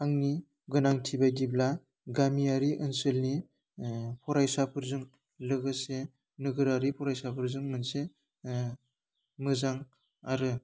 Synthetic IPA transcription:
aŋni | ɡɯnaŋtʰibajdibla | ɡamiaɾiʔɯnsɯlni | pʰɔɾajsapʰɯɾzɯŋ | lɯɡɯse | nɯɡɯɾaɾipʰɔɾajsapʰɯɾzɯŋmɯnse | mɯzaŋ | aɾɯ

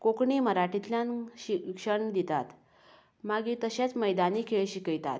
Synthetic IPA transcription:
kokɳiːməɾaʈit̪ljãnɕikʂəɳd̪it̪at̪ | maɡiːt̪əɕat͡sməjd̪aniːkʰeɭɕikəjt̪a̰t̪

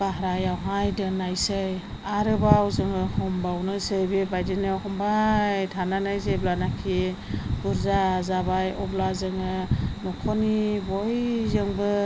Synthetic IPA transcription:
b̥aɦɾajawɦajdɯnːajsɯj | aɾɯbawzɯŋɯhɔmbawnɯsɯjbebajdenɯhɔmbajtʰananajzeblanakʰiɡ̥uɾzazabajɔblazɯŋɯnɔkʰɔnibɔjzɯŋbɯ

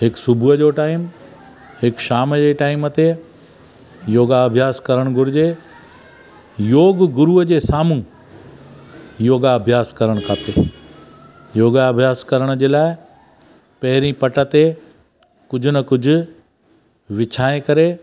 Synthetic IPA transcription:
ɦɪksʊbʱuəd͡ʑoʈaːɪm | hɪkʃaːmd͡ʑeʈaːɪmət̪e | joːɡaɐbʱjaːskɐɾəɽ̃ɡʱʊɾɪd͡ʑe | joːɡɡʊɾuəd͡ʑeːsaːmũ | joːɡaɐbʱjaːskɐɾəɽ̃kʰaːt̪eː | joːɡaɐbʱjaːskɐɾəɽ̃d͡ʑeːlaːɪ | pɐɦɪɾĩpɐʈət̪e | kʊd͡ʑʱʊnɐkʊd͡ʑʱʊ̆ | ʋɪt͡ɕʰaːẽkɐɾe

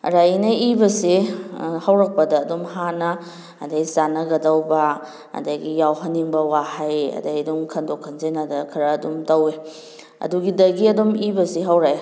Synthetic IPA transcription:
ɾajnɐibɐsehawɾɐk̚pɐdɐːdumɦanɐː | dɐjsanɐɡɐdɐwbɐ | ɐ̰dɐɡijawɦɐnːiŋbɐwahajɐ̰dajdumkʰɐndokʰːɐnzenɐdɐkʰɐɾɐːdumtɐwe | ɐ̰duɡidɐɡiɐdomibɐseɦawɾaj

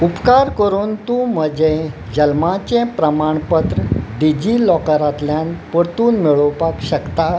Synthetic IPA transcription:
upkaɾkəɾuːnt̪ũm̤əd͡ʑe | d͡ʑəlmat͡ɕẽpɾəmaɳpət̪ɾəɖid͡ʑilɔkəɾat̪ljanpəɽt̪uːnmiɭəwpakɕəkt̪a

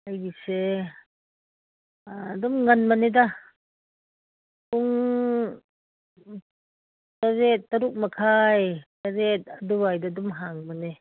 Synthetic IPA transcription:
ajɡise | dumŋɐnmaneda | uŋ | taɾet̚ːɐɾuk̚makʰajtaɾet̚adubajdadumɦaŋmane

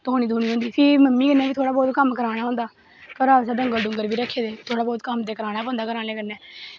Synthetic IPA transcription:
t̪oːñiːd̪ʱoːñiːɦõːnd̪iːfʰɪməmːiːkənːɛ̃ːʋiːt̪ʰoːɽaːbɔːt̪kəmkəɾaːɽ̃aːɦõːnd̪aː | pəɾaːsəːd̪əŋɡəlɖʊŋɡəɾbiːɾəkʰːeːd̪eːt̪ʰoːɽaːbɔːt̪kəmd̪eːkəɾaːnaːpɔ̃ːnd̪aːkəɾaːneːkənːɛ̃ː

